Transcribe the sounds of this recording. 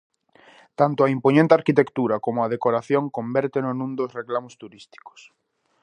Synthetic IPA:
t̪ant̪oaimpoɲẽnt̪eaɾkit̪ekt̪uɾakomoað̞ekoɾaθjõŋkõmbɛɾt̪enonũnd̪osreklamost̪uɾist̪i̥ko̥s

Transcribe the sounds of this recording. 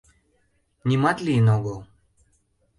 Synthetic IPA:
nʲimɑt̪lʲinoɡolˠ

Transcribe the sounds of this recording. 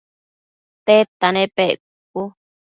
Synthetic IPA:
t̪et̪anẽpeʔ | k̚u

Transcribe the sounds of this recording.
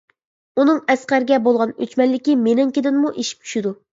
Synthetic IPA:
unɨŋɛsqæɾɡʲɛbolˠʁɑnøt͡ʃmɛnllːɪkʲimenɪŋkʲid̪ɪnmuʔeʃi̥p̚t͡ʃʰy̥ʃid̪u

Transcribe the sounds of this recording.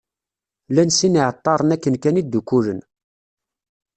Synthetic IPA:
lænsiniʕət̪ˤːɑɾˤənækːənkænid̪ːukːulən

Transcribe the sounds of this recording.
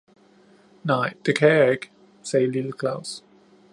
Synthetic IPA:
naɪð̥əkʰɛɛɡ̥ | seɪlɪl̩ˠkʰlaʊs

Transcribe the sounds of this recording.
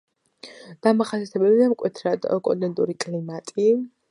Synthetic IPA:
d̪̥amaχasiat̪ʰɛbɛbiɛmkʼwɛt̪ʰɾad̪ɔkʼɔd̪ɛnt̪ʼuɾikʼlimat̪ʼi

